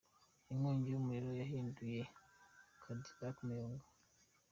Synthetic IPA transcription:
iŋwoːɲɟijomuɾiɾojaɦiːnduje | kʰadibakmujoːŋɡa

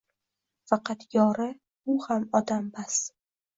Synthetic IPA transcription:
fɑqʰɑt̪jɒɾɪ | ʊhamɒd̪ambas

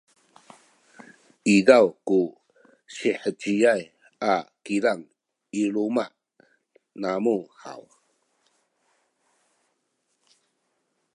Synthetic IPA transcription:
idawku | ɕiħət͡ɕijaj | akiɾaŋ | iɾumaʔ | namuħa̰w

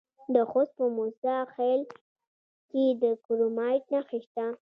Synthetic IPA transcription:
d̪əxost̪̚pəmusaxel | ked̪əkuɾomɑjʈnaxiʃt̪a

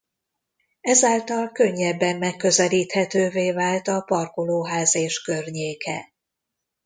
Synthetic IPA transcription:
ɛzaːlt̪ɒlkø̞ɲːɛbːɛmːɛkːø̞zɛliːt̪hɛt̪øːveːvaːlt̪ɒpɒrkoloːɦaːzeːʃkø̞rɲeːkɛ̰

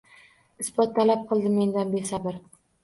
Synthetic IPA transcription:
ɪsbɒt̪ʰːalap̚qʰɨlˠd̪ɪme̞nd̪anbesabɪɾ

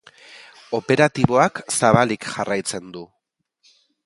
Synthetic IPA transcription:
o̞pe̞ɾat̪iβo̞aksaβalikʝarajt͡se̞nd̪u

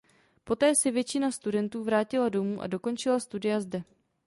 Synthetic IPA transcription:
po̞t̪ɛːsɛvjɛt͡ʃɪnast̪udɛnt̪uːvɾaːcɪlado̞muːʔa̰do̞ko̞nt͡ʃɪlast̪udɪjazdɛ

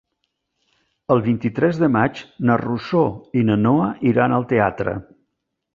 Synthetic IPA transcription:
əlˠβint̪it̪ɾɛzðəmad͡ʒnərusoinənoəʔiɾanəlˠt̪eat̪ɾə̰

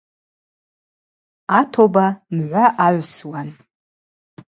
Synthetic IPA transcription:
atʰobamʕʷaʔaʕʷswan

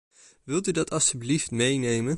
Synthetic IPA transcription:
ʋɪlˠtydɑtʰɑlˠstybliftmejnejmən

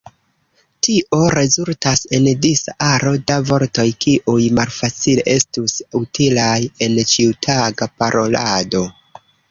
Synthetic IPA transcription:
tiʔo̞ɾe̞zultase̞ndisaʔaɾo̞davo̞ɾto̞jkiʔujmalfat͡sile̞ʔe̞stusutilaje̞nt͡ʃiutʰaɡapaɾʔo̞lado̞

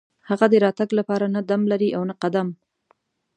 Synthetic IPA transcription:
haɣad̪əɾɑt̪aɡlapɑɾanad̪amlaɾiʔawnaqad̪am

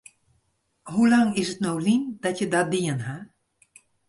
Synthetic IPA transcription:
ɦulɑŋɪsətnowlimdɑtjədɑdiənɦa

